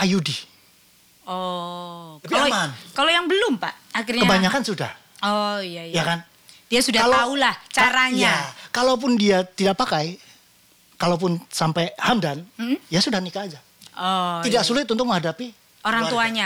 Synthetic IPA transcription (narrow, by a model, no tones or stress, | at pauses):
ʔajudi | ɔ | iamankalojaŋbəlʊmpa̰ʔakirɲkəabaɲakansuda̰h | ɔijaijakan | d̥iasudaalaaulaht͡ʃaɾaɲjakalowp̬ʊndiat̪idaʔpakaj | kalop̬ʊnsampajhamdanm̩ijasudahnikaːd͡ʒa | ɔt̪idaksulɪt̪̚unt̪ʊk̚məɦhadapi | ʔoɾaŋt̪uaɲa